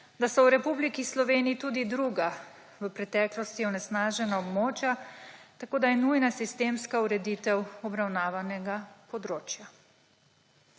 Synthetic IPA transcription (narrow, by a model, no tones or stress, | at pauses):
d̪asɔwɾɛpublikislɔʋeːniːt̪uːd̪id̪ɾuɡa | ʋəpɾɛt̪ɛːklɔst̪iɔnɛsnaːʒɛnaɔbmoːt͡ʃjat̪akoːd̪ajɛnujnasist̪eːmskauɾɛd̪it̪ɛwɔbɾawnaːʋanɛɡapɔd̪ɾoːt͡ʃja